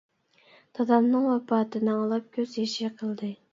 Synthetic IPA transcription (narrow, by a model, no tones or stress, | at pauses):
t̪ʰɑd̪ɑmnɨŋwɛpɑːt̪ʰɨnɨɑlˠɑp̚kʲʰøzjeʃiqʰəlˠd̪ɨ